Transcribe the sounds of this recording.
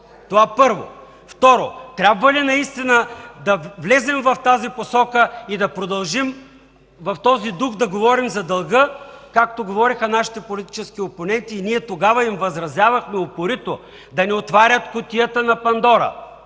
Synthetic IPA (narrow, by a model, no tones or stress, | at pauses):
t̪ovapɤɾvo̰ | ft̪ɔɾot̪ɾʲabvɐlinɐist̪inəd̪ɐvlɛzɛmvɐft̪aziposɔkəid̪ɐpɾod̪ɐlˠʒim | vɐft̪ɔzid̪uxd̪ɐɡovɔɾimzɐd̪ɐlˠɡɤkakt̪oɡovɔɾixɐnaʃi̥t̪ɛpolit̪i̥t͡ʃɛsk̟ioponɛnt̪iːniɛt̪oɡavɐimvɐzɾɐzjavɐxmɛopoɾit̪o | d̪ɐnɛot̪vaɾʲɐt̪kʊt̪ijət̪ənɐpɐnd̪ɔɾɐ̰